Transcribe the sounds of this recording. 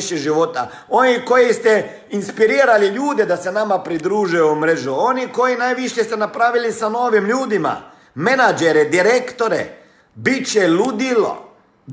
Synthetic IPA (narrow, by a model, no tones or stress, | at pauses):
ʃjeʒiʋo̞t̪a̰ | o̞niko̞jist̪e | inspiɾiːɾaliʎuːd̪ed̪ase̞namapɾid̪ɾuːʒujomɾeʒuo̞niko̞jinajʋiʃjest̪enapɾaːʋilisano̞ːʋimʎuːd̪ima̰ | menad͡ʒeɾed̪iɾekt̪oɾḛ | bit͡ʃelud̪ilo̰